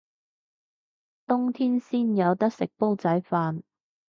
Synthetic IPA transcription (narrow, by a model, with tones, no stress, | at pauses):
t̪ʊ˥ŋt̪ʰiː˥nsiː˥njɐ˨˧wt̪ɐ˥k̚sɪ˨k̚po˥wt͡sɐ˨˥jfaː˧n